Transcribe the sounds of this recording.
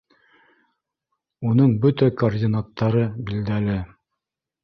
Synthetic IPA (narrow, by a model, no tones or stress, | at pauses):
unɤɴbɵt̪ækɐrdʲinat̪ʰːɑɾɤbild̪ælɘ